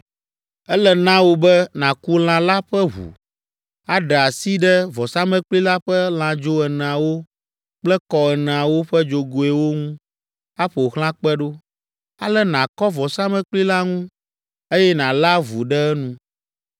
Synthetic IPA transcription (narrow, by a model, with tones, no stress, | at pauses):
ɛ˦lɛ˨nã˦wo˦bɛ˦nã˨ku˦l̃ã˨la˦ɸɛ˦ɦṵ˨ | a˦ɖɛ˨a˨si˦ɖɛ˦vɔ˨sa˦mɛ̃˦k͡pli˦la˦ɸɛ˦l̃ã˨d͡ʒo˦ɛ˨nɛ̃˨a˨wo˦ | k͡plɛ˦kɔ˨ɛ˨nɛ̃˨a˨wo˦ɸɛ˦d͡ʒo˨ɡo˨ɛ˨wo˦ŋũ˦ | a˦ɸɛ˨o˨ɣl̃ã˦k͡pɛ˦ɖo˦ | a̰˦lɛ˦nã˨kɔ˦vɔ˨sa˦mɛ̃˦k͡pli˦la˦ŋũ˦ | e˦jɛ˦nã˨la˦vu˨ɖɛ˦ɛ˦nũ˦